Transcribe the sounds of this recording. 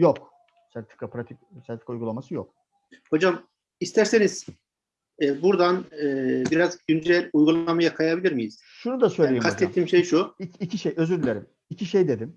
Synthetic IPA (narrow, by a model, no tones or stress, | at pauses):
jok̚ | sat̪ʰɯ̥kʰːapɾat̪ʰicsat̪i̥kujɡulˠamasɯjok̚ | ho̞d͡ʒam | ist̪ʰæɾseniz̥ | ɛbuɾd̪anɯːbiɾazɟynd͡ʒɛlʲujɡulˠamajakʰajabilʲiɾmijiz̥ | ʃunud̪asø̞jlʲejikʰast̪ɛt̪ʰːiːmʃejʃuiicʰiʃejø̞zyɾylʲeɾim | icʰiʃejd̪e̞d̪im